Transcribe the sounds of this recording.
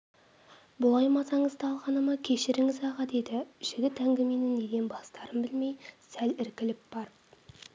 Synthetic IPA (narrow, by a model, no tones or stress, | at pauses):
bʊlˠɑjmɑzɑɴəzd̪əɑlˠʁɑnəmɑkʲʰe̞ʃɪɾɪŋɪzɑʁɑd̪e̞d̪ɪʒ̥ɪɡʲɪt̪æŋɡʲɪme̞nɪnne̞ɡ̪ʲenbɑst̪ɑɾəmbɪlme̞jsælɪɾkʲɪlɪp̚b̥ɑɾəp̚